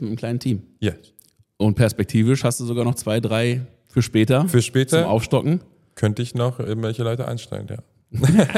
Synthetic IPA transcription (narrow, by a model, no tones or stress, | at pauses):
mɪtəm̩kl̥aɪnən̩tʰiːm | ja | ʔʊnt̚pʰɛɐspɛk̚tʰiːvɪʃhastd̥uːzoɡaːɐnɔχt͡sv̥aɪdʁaɪ | fyːɐʃpɛːtɐfyːɐʃpɛːtɐʊmʔa̰ʊfʃtɔkŋ̩ | kʰœntəɪçnɔχʔɪɡŋ̩vɛlçəlɔʏtəʔa̰ɪnʃtɛ̰lənja̰ː